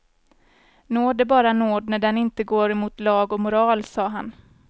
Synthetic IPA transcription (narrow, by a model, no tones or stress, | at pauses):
noːɖ̪ɛbɑːɾanoːd̪næɖɛnɪnt̪əɡoːɾɛmuːt̪lɑːɡɔmʊɾɑːlsɑːɦa̰n